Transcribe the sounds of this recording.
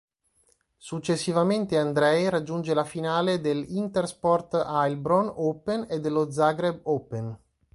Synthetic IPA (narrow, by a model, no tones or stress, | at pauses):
sut͡ʃːesːivament̪eand̪ɾɛjɾad͡ʒːund͡ʒelafinaːled̪elint̪erspɔrt̪ajlbɾonopened̪ːelːod̪zaɡɾebopen